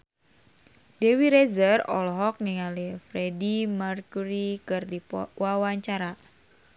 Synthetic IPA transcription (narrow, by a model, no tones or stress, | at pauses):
dewiɾezərɔ̰lɦɔk̚niŋalifɾedimarkuɾikɨrdiwawaɲt͡ʃaɾa